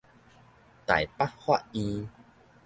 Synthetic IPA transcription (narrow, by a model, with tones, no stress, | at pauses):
t̪a̰˨˩jpa˦ʔ̚hwa˥˧ʔĩ˦